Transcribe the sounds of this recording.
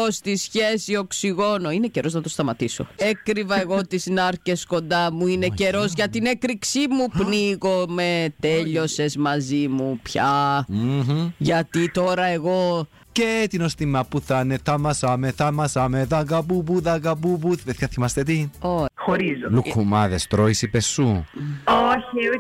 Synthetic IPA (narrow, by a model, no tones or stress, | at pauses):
ost̪isçe̞sio̞ksiɣo̞noine̞ceɾo̞znɐt̪ost̪ɐmɐt̪iso̞̰ekɾivɐeɣot̪iznɐɾce̞sko̞nd̪ɐmuine̞ce̞ɾo̞zʝɐt̪inekɾiksimupniɣo̞me̞t̪eʎo̞se̞zmɐzimupçɐ | ʝɐt̪it̪o̞ɾɐe̞ɣo̞ | cet̪ino̞st̪imɐpːuθɐnet̪ɐmɐsɐmeθɐmɐsɐmeðɐɡɐbubuðɐɡɐbubuθpeθçɐθimɐst̪et̪ioxoɾizolukːumɐðest̪ɾoisipesːuoçi